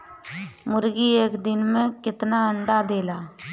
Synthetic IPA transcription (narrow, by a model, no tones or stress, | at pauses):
mʊɾɡieːkd̪ɪnmẽkɪt̪naəɳɖad̪eːlaː